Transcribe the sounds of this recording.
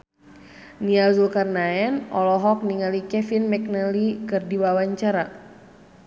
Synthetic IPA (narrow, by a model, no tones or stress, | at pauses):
niazulkarnaɛnɔlɔɦɔk̚niŋalikɛfinmɛk̚nalikɨrdiwawaɲt͡ʃaɾa